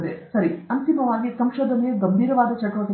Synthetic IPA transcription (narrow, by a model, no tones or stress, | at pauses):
d̪esɐɾiɐnt̪imɐʋaːɡisɐmʃoːd̪ʱɐneeɡɐmbʱiːɾɐʋaːd̪ɐt͡ʃɐkːɾɐt̪ɐ